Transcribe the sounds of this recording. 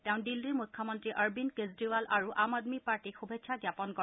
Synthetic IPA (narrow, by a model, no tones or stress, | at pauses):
tɛʊ̃ndilːimukʰːɔmɔntɹiʔaɹbinkezdiwalʔaɹuʔamad̪mipaɹʈixubʱetʃʰaɡjapɔnkɔ